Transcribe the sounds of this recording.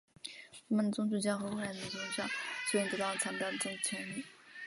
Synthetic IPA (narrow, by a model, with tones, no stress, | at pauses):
t̪ʰa˥mə˨nd̪ə˩t͡sʊ˥ŋt͡su˥˩t͡ɕjɑ˥xɤ˧˥xwu˥˩la˧˥ə˩i˧˥ɕi˥ʂɑ˥˩ŋɕt̪ɤ˧˥t̪ɑ˥˩lə˩t͡sʰa˥p̪ɑ˥˩d̪ə˩ʈ͡ʂɤ˥˩ŋ̩˥˩t͡ɕʰɛ˧˥i˥˩